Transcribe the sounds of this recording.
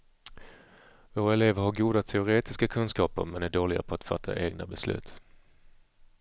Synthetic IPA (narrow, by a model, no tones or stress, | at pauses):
voːɾaɛleːvəɾhaɾɡuːd̪at̪ʰɛʊɾeːt̪ɪskakʰɵnskɑːpə̰ɾmɛnæɖoːlɪɡa̰pʰɔat̪fa̰t̪ʰːa̰ʔeːɡnabɛslʉ̟̰ːt̪